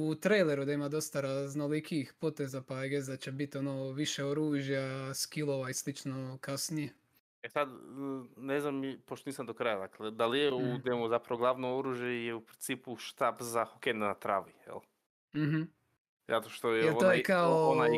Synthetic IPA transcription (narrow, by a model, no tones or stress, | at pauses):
ut̪ɾejleɾud̪aimad̪ost̪aɾaznolikiːxpo̞t̪ezapaeɡezd̪at͡ɕe̞bit̪onoʋiʃe̞oɾuːʒjaskilˠoʋaislit͡ʃnokasnije | esad̪neznamipoʃt̪oniːsamd̪okɾajad̪akled̪alijeud̪emuzapɾaʋoɡlˠaːʋnooɾuːʒjejeupɾint̪siːpuʃt̪aːbzaxokend̪nat̪ɾa̰ːʋijḛlˠ | m̩ɦm̩ | zat̪oʃt̪ojejelot̪oːjekaoonaj